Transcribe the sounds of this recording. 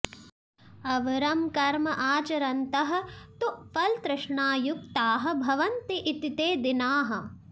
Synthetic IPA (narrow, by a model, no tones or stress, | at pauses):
ɐʋɐɾɐmkɐɾmɐʔaːt͡ʃɐɾɐnt̪ɐɦɐ̆t̪uʔfɐlt̪ɾɪʂɳaːjuk̚t̪aːɦɐ̆bʱɐʋɐnt̪iʔit̪it̪eːd̪inaːɦɐ̆